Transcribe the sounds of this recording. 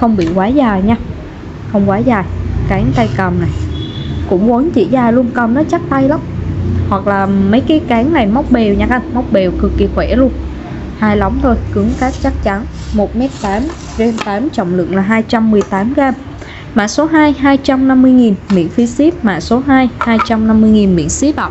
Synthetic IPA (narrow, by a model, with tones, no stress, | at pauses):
xə˧wŋ͡mɓḭ˧˨kwaː˨˦zaː˨˩jɲaː˧ | xə˧wŋ͡mkwaː˨˦zaː˨˩jkaː˨˦ŋt̪a˧jkə˨˩mna˨˩jkʊ̰˧˥ŋ͡mkə˨˦nt͡ɕḭ˧˩zaː˨˩lu˧ənkə˨˩mnɔ˨˦t͡ɕa˦˥k̚t̪a˧jla˨˦wŋ͡mhwa˨˩k̚laː˨˩mə˨˦jkaː˨˦jkaː˨˦ŋna˨˩jma˦˥wk͡p̚ɓe˨˩wɲa˧˩ka˧wm˦˥wk͡p̚ɓe˨˩wkɨ˨˩kːi˨˩xwɛ˧˩lu˧ən | haː˧jlɔ˨˦wŋ͡mt̪ʰo˧jkɨ˨˦əŋkaː˦˥t̚t͡ɕa˦˥k̚t͡ɕa˨˦nmo˨˩t̚mɛ˦˥t̚t̪aː˨˦m | ze˧nt̪aː˨˦mt͡ɕɔ̰˧˨wŋ͡mlɨ̰˧˨əŋlaː˨˩ɦaː˧jt͡ɕa˧mːɨ˨˩əjt̪aː˨˦mɣaː˧m | ma̰ː˧˨so˨˦ɦaː˧jɦaː˧jt͡ɕa˧mna˧mːɨ˧əjŋi˨˩nmḭ˧˥ənfi˨˦si˦˥p̚ma̰ː˧˨so˨˦ɦaː˧jhaː˧jt͡ɕa˧mna˧mːɨ˧əjŋi˨˩nmḭ˧˥ənsi˦˥p̚a̰˧˨